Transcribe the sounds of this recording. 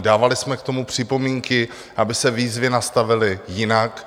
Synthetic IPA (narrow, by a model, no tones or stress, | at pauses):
daːvalɪsmɛkt̪o̞mupr̝̥ɪpo̞miːŋkɪ | ʔabɪsɛviːzvɪnast̪avɪlɪjɪnak